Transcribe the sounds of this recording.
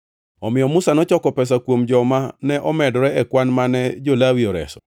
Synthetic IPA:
ɔmɪjɔmʊsanɔt͡ʃɔkɔpɛs̬akwomd͡ʒɔmanɛʔɔmɛdɔɾɛɛkwanmanɛd͡ʒolawiɔɾɛ̰sɔ̥

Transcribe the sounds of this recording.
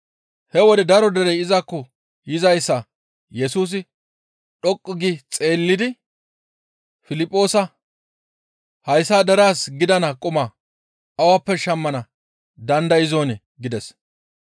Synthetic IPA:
hɛwɔd̪ɛd̪ɐɾɔd̪ɛɾɛjɪzɐkːɔ | jɪzɐjsːɐ | jɛsuːs̬ɪ | ɗɔkʼːʊɡɪt͡sʼe̞ːlːɪd̪ɪ | fɪlɪpʼːo̞ːsɐ | hɐjsːaːd̪ɐɾaːsɡɪd̪ɐnɐkʼʊmɐ | ɐwapːɛʃɐmːɐnɐ | d̪ɐnd̪ɐjɪzo̞ːnɛ | ɡɪd̪ɛs

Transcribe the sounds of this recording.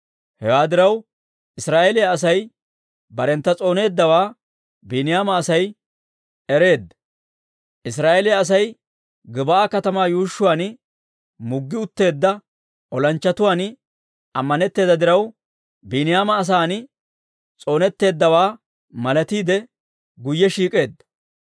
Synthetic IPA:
hɛwaːd̪ɪɾɐw | ʔɪsɾaːʔelɪjɐːs̬ɐj | bɐɾɛnt̪ːɐt͡sʼo̞ːne̞ːd̪ːɐwaː | biːnɪjaːmɐːsɐj | ɛɾe̞ːd̪ːɐ | ʔɪs̬ɾaːʔelɪjɐɐs̬ɐj | ɡɪbɐaːkɐt̪ɐmaːjuːʃːʊwaːn | mʊɡːɪʊt̪ːe̞ːd̪ːɐ | ʔɔlɐnt͡ʃːɐt̪ʊwaːn | ʔɐmːɐnɛt̪ːeːd̪ɐd̪ɪɾɐw | biːnɪjaːmɐːs̬aːn | t͡sʼo̞ːnɛt̪ːe̞ːd̪ːɐwaː | mɐlɐt̪iːd̪ɛ | ɡʊjːɛʃiːkʼe̞ːd̪ːɐ̥

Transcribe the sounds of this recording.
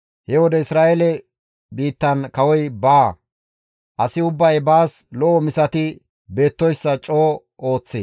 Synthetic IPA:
hɛwɔd̪ɛɪsɾaːʔɛlɛ | biːt̪ːɐnkɐwɔjbaː | ʔɐsɪʊbːɐjbaːslɔʔɔmɪsɐt̪ɪ | be̞ːt̪ːɔjsːɐt͡ʃʼo̞ː | ʔo̞ːt͡sːḛ

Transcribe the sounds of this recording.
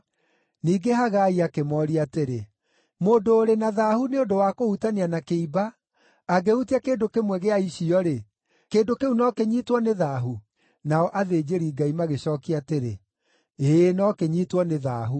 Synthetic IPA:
niːɡehaɣaːiakemɔɾiateɾe | moːndoːɾenaðaːhuneondowakohutaneanakeibaː | ɡeutiakeːndokemwɛɣeaiɕiɔɾe | keːdokeunɔːkeɲitwɔneðaɦu | naɔʔaðeːd͡ʑeɾiːɡaimaɣeɕɔːkiateɾḛ | enɔkeɲiːtwɔneðaɦu

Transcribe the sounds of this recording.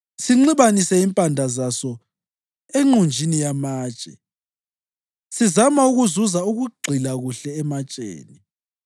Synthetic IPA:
siŋ͡ǀiβanisɛimpʼandʱazasɔ | eŋ͡ǃund͡ʒʱinijamaːt͡ʃʼɛ̰ | sizamauɣuzuzauɣuɡ͡ǃʱilaɣuɬɛːmat͡ʃʼḛːni

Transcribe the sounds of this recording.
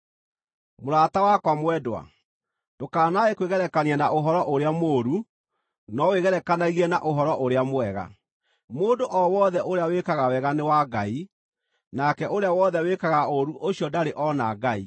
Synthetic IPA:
moɾatawakwamwɛdowa̰ | dokaːnaekweɣɛɾɛkanianaʔoɦɔɾɔʔoɾeamoːɾu | nɔweɣɛɾɛkanaɣiɛnaʔoɦɔɾɔʔoɾeamoɛɣa̰ | moːndoʔɔwɔðɛʔoɾeawekaɣawɛɣanewaɡai | nakɛʔoɾeawɔðɛwekaɣaoɾuʔoɕiɔdaɾeʔɔna̰ɡaḭ

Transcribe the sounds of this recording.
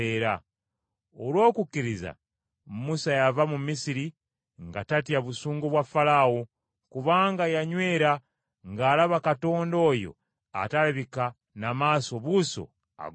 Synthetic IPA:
eɾa | olwo̞ːkukiɾiza̰ | musajavamumisiɾi | ŋɡa̰tatjaβusuːŋɡoβwafalawo | kuβaːŋɡajaɲweːɾa | ŋɡaːlaβakato̞ːndo̞ːjo̞̰ | a̰talaβika | namaːsoβuso̰ | a̰

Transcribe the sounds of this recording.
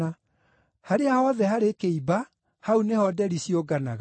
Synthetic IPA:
a | haɾeahɔðɛhaɾekeiba | haunehɔdɛɾisjoɡanaɣ

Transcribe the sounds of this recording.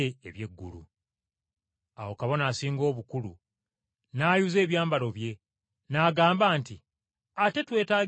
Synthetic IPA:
eβje̞ɡːṵlṵ | a̰wo̞kaβo̞naːsiːŋɡo̞ːβukulṵ | naːjuze̞ːβjaːmbaɾo̞βje̞ | naːɡaːmbaːnti | ate̞twe̞ːtaː

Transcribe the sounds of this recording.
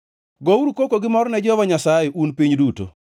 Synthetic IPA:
ɡouɾukokoɡɪmɔɾnɛd͡ʒɔwaɲasajɛʔunpiɲduto̰

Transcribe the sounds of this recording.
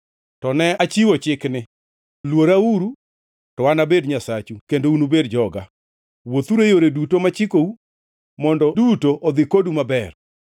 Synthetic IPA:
tɔnɛat͡ʃiwot͡ʃɪknɪ | lwoɾauɾu | tɔwanabedɲasat͡ʃukendounubedd͡ʒɔɡa | wot̪uɾejoɾedutomat͡ʃikou | mɔndɔdutoʔɔd̪ɪkodumabɛr

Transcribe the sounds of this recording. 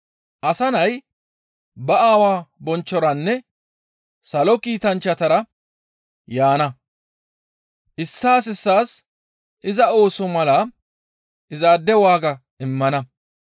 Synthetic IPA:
ʔɐsɐnɐj | bɐaːwaːbɔnt͡ʃːɔɾɐnːɛ | sɐlɔkiːt̪ɐnt͡ʃːɐt̪ɐɾɐ | jaːnɐ | ʔɪsːaːs̬ɪsːaːs | ʔɪzɐo̞ːsɔmɐla | ʔɪzaːd̪ɛwaːɡɐʔɪmːɐnɐ

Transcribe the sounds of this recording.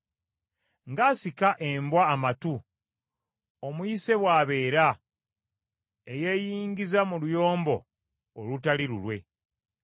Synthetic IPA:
ŋɡaːsikaʔembwaːmatu | omuise̞βwaːβe̞ːɾa | eje̞jiːŋɡizamulujo̞ːmbo̞ː | lutaliɾulwe̞

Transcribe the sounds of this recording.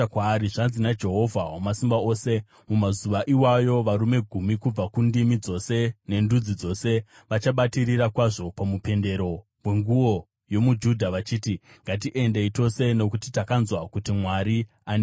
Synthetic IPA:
kwaːɾiʐanzinad͡ʒe̞ɦo̞vʱawamasimbao̞ːse̞ | mumazuʋaʔiwajo̞ʋaɾume̞ɡʱumikub͡vakundimid͡zo̞se̞ne̞ndud͡zid͡zo̞se̞ | ʋat͡ʃaɓatiɾiɾakwaʐo̞pamupe̞nde̞ɾo̞ | we̞ŋɡuwo̞ | jo̞mud͡ʒudʱaʋat͡ʃiːti | ŋɡat̬iʔe̞ndeito̞se̞no̞kutitakanzwakutimwaɾi | an

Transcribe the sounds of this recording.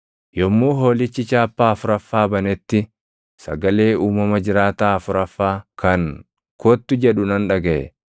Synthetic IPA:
jɔmːuːɦo̞ːlɪt͡ʃːɪt͡ʃaːpːaːɐfʊɾɐfːaːbɐnɛt̪ːɪ | sɐ̰ɡɐle̞ːuːmɐmɐd͡ʒɪɾaːt̪aːɐfʊɾɐfːaːkɐŋ | kʰɔt̪ːʊd͡ʒɛᶑʊnɐnᶑɐɡɐʔɛ̰

